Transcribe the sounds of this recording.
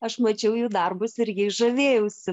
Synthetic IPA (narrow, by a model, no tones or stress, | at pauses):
ɐʃmɐt͡ʃʲɛʊjuːd̪ɐrbʊsɪɾʲɡʲɪɪʒɐʋʲeːjɛʊsʲɪ